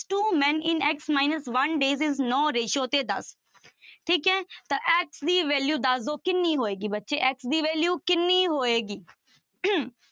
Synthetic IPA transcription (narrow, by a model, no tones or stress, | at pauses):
ʈuːmɛ̃nɪ̃nɛksmaːɪnəsʋɐnɖeːzɪznɔːɾeːʃot̪ed̪ɐ̰s | ʈʰiːkɦɛ̃t̪ɐʔɛksd̪iːʋeːljuːd̪azoːkɪnːiɦoːeːɡibɐtːʃeʔɛksd̪iːʋeːljuːkɪnːiɦoːeːɡiː